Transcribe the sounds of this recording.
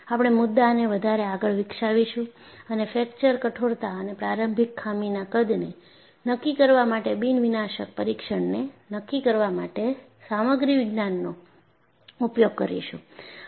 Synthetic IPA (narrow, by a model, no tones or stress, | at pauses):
apɽ̃emʊd̪ːaneʋəd̪ʱaɾeaɡəɭʋɪkʃaʋiʃũənefɛkt͡ʃəɾkəʈʰoɾt̪aənepɾaɾəmbʱikʰːaminakəd̪ne | nəkːikəɾʋamaʈebinʋinaʃək̚pəɾikʃəɳnenəkːikəɾʋamaʈe | saməɡɾiʋɪɡnanːo | upjoɡ̚kəɾḭʃṵ̃